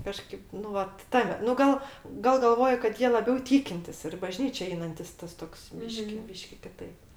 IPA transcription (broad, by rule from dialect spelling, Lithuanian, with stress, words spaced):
ˈkɑːʃkɐɪp nʊ ˈʋɐt ˈtɑːmʲɛ nʊ ˈɡɐlˠ ɡɐlˠ ɡɐlˠˈʋoːjʊ kɐt ˈjiɛ lˠɐˈbʲɛʊ ˈtʲiːkʲɪnʲtʲɪs ɪr ɪ bɐˈʒʲnʲiːt͡ʃʲɛ ˈɛɪnɐnʲtʲɪs ˈtɐs toːks ˈbʲiːʃʲkʲɪ ˈbʲiːʃʲkʲɪ kʲɪˈtɐɪp